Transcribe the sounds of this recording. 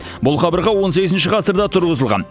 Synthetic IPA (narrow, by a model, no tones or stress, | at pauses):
bʊlˠqɑbəɾʁɑwo̞nse̞ɡʲɪzɪnʃ̬ɪqʰɑsəɾd̪ɑt̪ʰʊɾʁəzəlˠʁɑ̰n